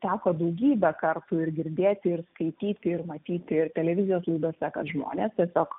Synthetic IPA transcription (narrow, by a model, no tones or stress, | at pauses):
t̪ʲæːkoːd̪ɐʊɡʲiːbʲɛkɐrt̪ʊɪrɡʲɪɾʲd̪ʲeːt̪ʲɪrskɐɪt̪ʲiːt̪ʲɪɪrmɐt̪ʲiːt̪ʲɪrt̪ʲɛlʲɛʋʲɪzʲɪjoːslˠɐɪd̪oːsʲɛkɐ̰ʒmo̰ːnʲeːst̪ʲiɛsʲoːk